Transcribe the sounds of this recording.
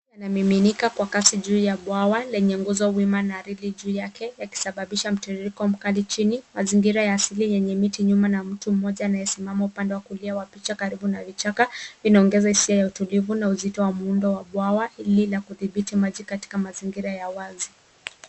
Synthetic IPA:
janamiminikakwakasiʄuːjaɓwawalɛɲɛŋɡuzɔwimanaɾiliʄuːjakɛjaki̥saɓaɓiʃam̩tiɾiɾikɔm̩kalit͡ʃinimaziŋɡiɾajaːsilijɛɲɛmitiɲumanam̩tum̩mɔʄaːnajɛsimamaupandɛwakuliawapit͡ʃakaɾiɓunavit͡ʃakainaɔŋɡɛzahisiajautulivunauzitɔwamuundɔwaɓwawaililakuðiɓitimaʄikati̥kamaziŋɡiɾajawazi

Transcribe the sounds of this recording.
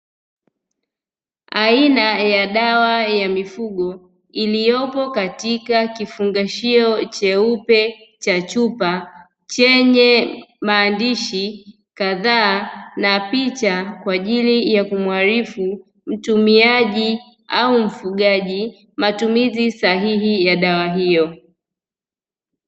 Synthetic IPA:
ainajaɗawajamifuɠɔ | ilijɔpɔkatikakifuŋɡaʃiɔt͡ʃɛupɛ | t͡ʃat͡ʃupa | t͡ʃɛɲɛmaːndiʃi | kaðaːnapit͡ʃakwaʄilijakumwaɾifu | m̩tumiaʄi | aum̩fuɠaʄi | matumizisaɦiɦijaɗawaɦijɔ

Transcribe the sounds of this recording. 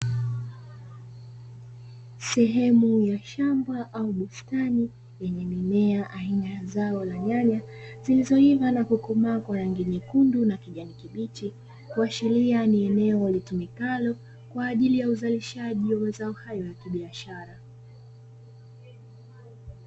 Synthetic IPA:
sɛɦɛmujaʃambaʔauɓustani | jɛɲɛmimɛaʔaɦiɲazaɔlaɲaɲa | zilizɔivanakukumakwaɾaŋɡiɲikundunakiʄanikiɓit͡ʃi | kuaʃilianiɛnɛɔlitimikalɔ | kwaːʄilijauzaliʃaʄiwamɛzaɔhajɔjakiɓiaʃaɾa

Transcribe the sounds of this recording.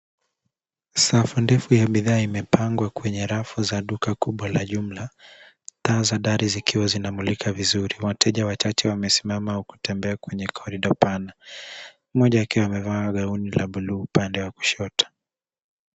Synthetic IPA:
safundɛfujaɓiðaːimɛpaŋɡwakwɛɲɛɾafuzaɗukakuɓwalaʄum̩la | taːzaɗaɾizikiwazinamulikʰavizuɾiwatʰɛʄawat͡ʃat͡ʃɛwamɛsi̥mamauku̥tɛmbɛakwɛɲɛkʰɔɾiɗɔpana | mɔʄaakɛamɛvaɠaunilaɓuluːupandɛwaku̥ʃɔtḁ

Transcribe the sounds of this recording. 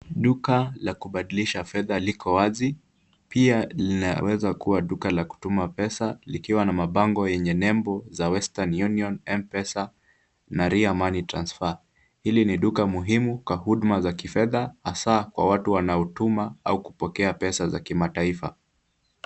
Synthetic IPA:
ɗukalakuɓaɗiliʃafɛðalikʰɔwazi | pialina̰wɛzakuwaɗukalaku̥tumapɛsalikiwanamaɓaŋɡɔjɛɲɛnɛmbɔzawɛstanjuniɔnɛmpɛsa | naɾiamanitɾa̰nsfa | hiliniɗukamuɦimukwahuɗmazakifɛðahasakwa̰watuwanaɔtumaa̰uku̥pɔkɛapɛsazakimataifa̰

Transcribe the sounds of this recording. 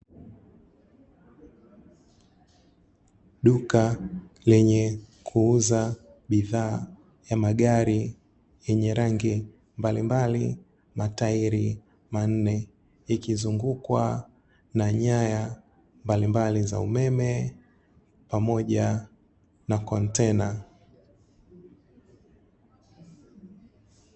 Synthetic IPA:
ɗukalɛɲɛkʰuuza | ɓiðaː | jamaɠaɾi | jɛɲɛɾaŋɡi | mbalimbali | mataiɾi | man̩nɛ | ikizuŋɡukwa | naɲaja | mbalimbaliza̰umɛmɛ | pamɔʄa | nakɔntɛna

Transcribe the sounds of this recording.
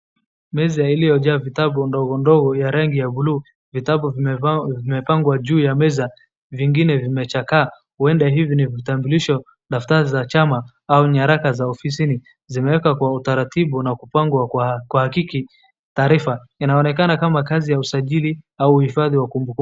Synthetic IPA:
mɛzailijɔʄavitaɓundɔɣɔndɔɣɔjaɾaŋɡijaɓuluː | vitaɓuvimɛpaŋɡwaʄuːjamɛza | viŋɡinɛvimɛt͡ʃakaː | huɛndaɦivinivitambuliʃɔ | ɗaftaɾizat͡ʃama | auɲaɾakazaɔfis̬ini | zimɛwɛkakwautaɾatiɓunakupaŋɡwakwahakiki | taːɾifa | inaɔnɛkanakamakazijausaʄiliauːhifaðiwakumbuku

